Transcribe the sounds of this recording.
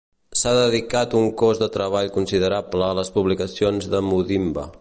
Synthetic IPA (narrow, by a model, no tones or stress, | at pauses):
saðəðikat̪uŋkozðət̪ɾəβ̞aʎkunsiðəɾabləːləspuβlikəsionzðəmuðimbə̰